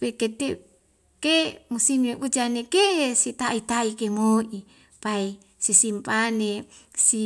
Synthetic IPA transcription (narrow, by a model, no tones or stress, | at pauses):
weket̪e | kemusineʔud͡ʒanekeʔesit̪ait̪aikemoʔi | pai | sisimpane | si